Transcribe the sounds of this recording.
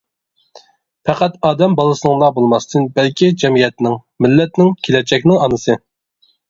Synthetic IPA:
pʰæqæt̪ɑːd̪ɛmbɑlˠɨsɨnɨŋlˠɑbolˠmɑst̪ʰɨnbælkʲʰid͡ʒɛmijɛt̪nɪŋ | mɪlːɛt̪nɪŋkʲʰelɛd͡ʒɛkʲnɪŋɑnɨsɨ

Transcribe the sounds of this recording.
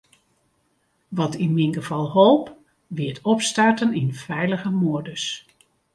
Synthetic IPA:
ʋɑtinminɡəv̥ɑlˠholˠp | ʋiətʰɔpstartəninfɛjləɣəmoədəs

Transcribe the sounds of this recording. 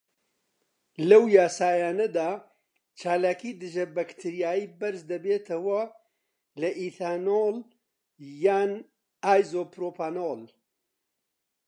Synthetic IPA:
lɐwjaːsaːjaːnɐd̪aː | t͡ʃʰaːlaːkʰiːd̪ɨʒɐbɐkt̪ʰiɾijaːjiːbɐɾsd̪ɐbeːt̪ʰɐwɐ | lɐʔit̪ʰaːnol | jaːn | aːjzoːpɾoːpaːnol

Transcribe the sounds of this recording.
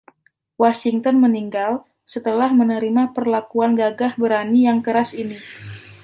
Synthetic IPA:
wasiŋt̪ɔnməniŋɡal | sət̪əlahmənəɾimapərlakuanɡaɡahbəɾanijaŋkəɾasini

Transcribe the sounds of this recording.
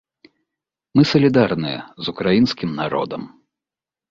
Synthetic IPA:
mɨsɐlʲid̪arnɨjɛ̰zukɾajinskʲimnaɾɔ̰d̪ɐm

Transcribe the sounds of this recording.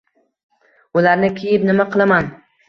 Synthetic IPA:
ʊlaɾnɪkʲʰejɪpnɪmaqʰɨlˠaman

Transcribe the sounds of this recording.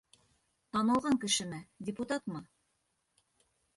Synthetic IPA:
t̪ɑnɤ̆lˠʁɑŋkɘ̆ʃɘ̆mɘdʲɪput̪ɑt̪mɑ

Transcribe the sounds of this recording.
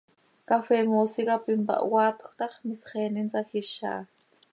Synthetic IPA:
kafemoːsikapimpa̰ʔwaːt̪xʷt̪ɑχmisχeːnint͡saxiʃa̰ː

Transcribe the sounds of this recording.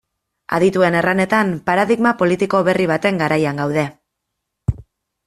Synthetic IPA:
a̰ðit̪ue̞ne̞rane̞t̪ampaɾaðiɣmapo̞lit̪iko̞βe̞riβ̞at̪e̞ŋɡaɾajaŋɡawð̞e̞

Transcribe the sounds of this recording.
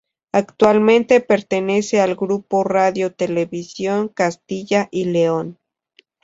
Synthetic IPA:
akt̪walmẽnt̪e̞pe̞ɾt̪e̞ne̞se̞alɡɾuporaðjo̞t̪e̞le̞βisjo̞ŋkast̪iʝaʔileon

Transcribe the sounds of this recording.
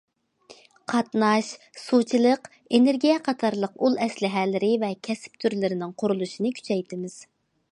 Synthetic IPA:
qʰɑt̪nɑʃ | sut͡ʃʰilˠəq | eneɾɡʲijɛqʰɑt̪ʰɑɾlˠəqulˠɛslɪɦɛːlɪɾɪvɛkʲʰɛsɪ̥p̚t̪ʰyɾlɪɾɪnɪŋqʰʊɾulˠuʃinɨkʲʰy̥t͡ʃʰɛjt̪ʰɪmɪz̥

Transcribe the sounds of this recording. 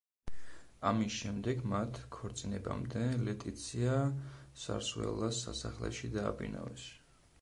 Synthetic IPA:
amisʃɛmd̪ɛɡmat̪ʰkʰɔɾt̪sʼinɛbamd̪ɛlɛt̪ʼit̪sʰiasaɾsvɛ̰lˠːasasaχlɛ̰ʃid̪aːbḭna̰vɛs

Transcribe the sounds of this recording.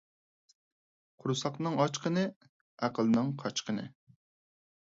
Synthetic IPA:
qʰʊɾusɑqnɨŋɑt͡ʃqənɨ | æqʰəlˠnɨŋqʰɑt͡ʃqʰənɨ̰

